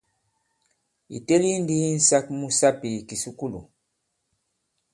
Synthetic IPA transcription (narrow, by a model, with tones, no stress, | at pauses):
ḭ˨te˦li˦n˦di˦n̩˦sa˦kmu˦sa˦pi˨ki˨su˦ku˦lṵ˨